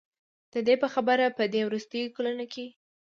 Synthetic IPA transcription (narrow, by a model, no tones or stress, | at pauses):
d̪̥əd̪epəxabəɾapəd̪ewɾust̪əjkolənoke